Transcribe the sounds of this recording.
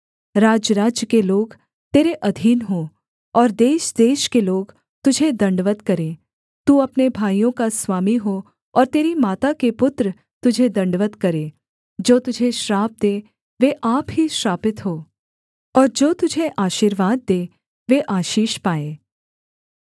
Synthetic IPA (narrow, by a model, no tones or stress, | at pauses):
ɾaːd͡ʒəɾaːd͡ʒjəkeloːɡ | t̪eːɾeʔɐd̪ʱiːnɦõ | ɔːɾd̪eːʃd̪eːʃkeloːɡ | t̪ʊd͡ʒʱed̪ɐ̃ɳɖʋət̪kɐɾeː | t̪uɐpnebʱaːijõkaswaːmiɦo | ɔːɾt̪eːɾimaːt̪akepʊt̪ɾə | t̪ʊd͡ʒʱed̪ɐ̃ɳɖʋət̪kɐɾeː | d͡ʒoːt̪ʊd͡ʒʱeʃɾaːp̚d̪eː | ʋeʔaːpɦiʃɾaːpɪt̪ɦoː | ɔːɾd͡ʒoːt̪ʊd͡ʒʱeʔaːʃiːɾʋaːd̪̚ːeː | ʋeʔaːʃiːʃpaːeː